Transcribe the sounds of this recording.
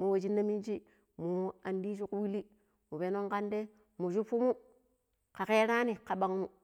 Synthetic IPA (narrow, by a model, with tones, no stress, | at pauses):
mu˨wo˨d͡ʒi˦nːa˦mi˦nd͡ʒi˦ | mu˨a˨ndi˦ʃu˦ku˦wi˦li˦ | mu˨be˨no˦ŋka˦nde˦ | mu˨ʃu˦fu˦mu˦ | ka˨ke˦ɾa˦ni˨ka˨ba˨ŋ˦mu˨